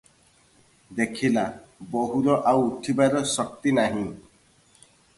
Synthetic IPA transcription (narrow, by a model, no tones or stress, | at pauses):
d̪ekʰilabɔɦuɾɔʔawuʈʰibaɾɔsɔk̚t̪inaɦĩ